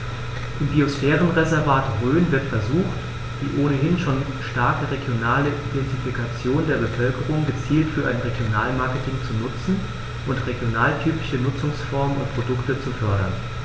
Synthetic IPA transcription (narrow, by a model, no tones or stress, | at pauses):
ʔɪmbiosfɛːʁənʁezɛɐvaːtʁøːnvɪɐtfɛɐzuːxt | v̥ḭːʔoːnəɦɪnʃoːn | ʃtaɐkəʁeɡjonaːləʔidɛntifikat͡sjoːndeːɐbəfœlkəʁʊŋɡət͡siːltfyːɐʔaɪnʁeɡjonaːlmaɐkətʰɪŋt͡sunʊt͡sn̩ | ʔʊntʁeɡjonaːltʰyːpɪçənʊt͡sʊŋsfɔɐmənʊntpʁ̥odʊktət͡sufœɐɾɐ̰n